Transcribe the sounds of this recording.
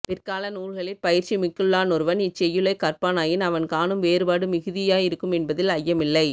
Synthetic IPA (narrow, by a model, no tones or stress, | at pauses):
pɪrkaːlɐnuːɭɣɐɭɪɾpɐjɪɾt͡ʃimɪkːɯɭːaːnɔɾɯʋɐnɪt͡ʃːɛjːɯɭɐɪkɐɾpaːnaːjɪnɐʋɐnkaːnɯmʋeːɾɯbaːɽɯmɪɣɯðɪjaːjɪɾɯkːɯmɛnbɐðɪlɐjːɐmɪlːɐɪ